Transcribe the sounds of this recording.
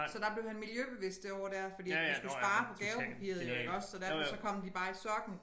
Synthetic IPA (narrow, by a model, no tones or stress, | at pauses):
sɒ̽d̥æ̈b̥le̝ʊhænmiljøb̥e̝ʋe̝sd̥e̝ɒʊ̰ɐd̥æɐfɒdḭːdisɡ̥usɑ̈ːpʰɒ̽ɡ̥æɛʊpʰæpʰḭɐ̰ðˠeeɡ̥ɒ̽ssɒ̽d̥æɐfɒsɒ̽kʰɒ̽m̰d̥ib̥ɑ̈ːisɒɡ̥n̩